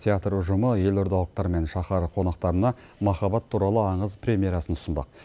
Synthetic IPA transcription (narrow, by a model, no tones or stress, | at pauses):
t̪ʲʰeat̪rʊʒʊməje̞lʊɾd̪ɑlˠəq̚t̪ɑɾme̞nʃɑχɑɾəqʰo̞nɑqt̪ɑɾənɑ | mɑχɑbɑt̪ʰːuɾɑlˠəɑɴəzpɾʲe̞mʲije̞ɾɑsənʊsənd̪ɑ̰q̚